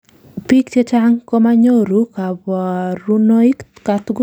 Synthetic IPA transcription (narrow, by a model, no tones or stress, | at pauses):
pikt͡ʃet͡ʃaŋkomaɲoɾukabaɾunoikkat̪ɡ